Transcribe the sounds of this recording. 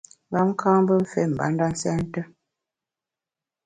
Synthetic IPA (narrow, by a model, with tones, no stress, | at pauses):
ŋɡa˦m̩˦kʰãː˦m˦bə˦m̩˦˨fe˦˨m̩˨ba̰˨˦n˦da˦n̩˦sɛ˦n̩˦tə˦